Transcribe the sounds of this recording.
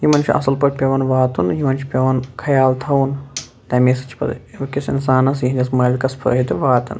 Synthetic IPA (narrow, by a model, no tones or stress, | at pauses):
jimɐnt͡ʃʰiɐ̰sɐlpɐʈʲpʲɐʋɐnʋaːt̪unjimɐnt͡ʃʰi̥pʲɐʋɐnkʰɐjaːlt̪ʰɐwun | t̪ɐmeːsɐ̥t͡ʃʰpɐ̰kisḭnsaːnɐs̬jiɦind̪ʲɐsmɐːlʲkɐspʰɐ̰ːɦit̪iʋaːt̪ɐ̰n